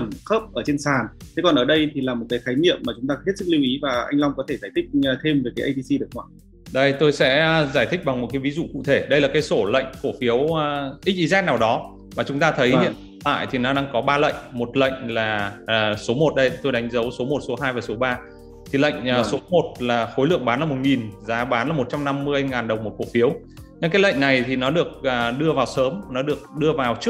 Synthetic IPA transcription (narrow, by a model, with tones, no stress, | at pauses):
ə˨˧˩nxəː˦˥p̚ʔəː˧˩t͡ɕe˧nsaː˨˩ntʰe˨˦kɔ˨˩nʔəː˧˩ɗə˧jt̪ʰi˨˩laː˨˩mo˨˩t̚kaː˨˦jxaː˨˦jɲḭ˧˨əmːaː˨˩t͡ɕʊ˨˦ŋ͡mt̪aː˧he˦˥t̚sɨ˦˥k̚li˧wʔi˨˦vaː˨˩ʔa˧jŋ̟la˧wŋ͡mkɔ˨˦t̪ʰe˧˩zaː˧˩jt̪ʰï˦˥k̟̚ːt̪ʰe˧mvəː˨˩jkaː˨˦ʔə˧jt̪i˧si˧ɗɨ˨˩ək̚ŋwa̰ː˧˨ | ɗə˧jt̪o˧jsɛ̰˧˥zaː˧˩jt̪ʰï˦˥k̚ɓa˨˩ŋmo˨˩t̚kaː˨˦jvi˨˦zṵ˧˨kṵ˧˨t̪ʰe˧˩ɗə˧jlaː˨˩kaː˨˦jso˧˩lə̰˧˨jŋ̟fo˧˩fi˨˦əwʔi˦˥t̚ʔi˨˦zɛː˦˥k̚naː˨˩wɗɔ˨˦ | maː˨˩t͡ɕʊ˨˦ŋ͡mt̪aː˧t̪ʰə˨˦hhḭ˧˨ | t̪a̰ː˧˨jt̪ʰi˨˩nɔ˨˦ɗaː˧ŋkɔ˨˦ɓaː˧lə̰˧˨jŋ̟mo˨˩t̚lə̰˧˨jŋ̟laː˨˩˨so˨˦mo˨˩t̚ɗə˧jt̪o˧jɗa˨˦jŋ̟zə˨˦wso˨˦mo˨˩t̚so˨˦ɦaː˧jvaː˨˩so˨˦ɓaː˧ | t̪ʰi˨˩lə̰˧˨jŋ̟ː˨˩so˨˦mo˨˩t̚laː˨˩xo˨˦jlɨ̰˧˨əŋɓaː˨˦laː˨˩mo˨˩t̚ŋi˨˩nzaː˨˦ɓaː˨˦nlaː˨˩mo˨˩t̚t͡ɕa˧wŋ͡mna˧mːɨ˧əjŋaː˨˩nɗə˨˩wŋ͡mmo˨˩t̚fo˧˩fi˨˦əw | ɲɨ˧ŋkaː˨˦jlə̰˧˨jŋ̟na˨˩jt̪ʰi˨˩nɔ˨˦ɗɨ˨˩ək̚əː˨˩ɗɨ˧əvaː˨˩wsəː˨˦mnɔ˨˦ɗɨ˨˩ək̚ɗɨ˧əvaː˨˩wt͡ɕɨ˦˥ək̚